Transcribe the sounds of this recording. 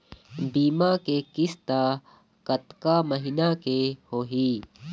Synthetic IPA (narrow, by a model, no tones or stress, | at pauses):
biːmakekɪst̪a | kɐt̪kaməɦinakehoːɦiː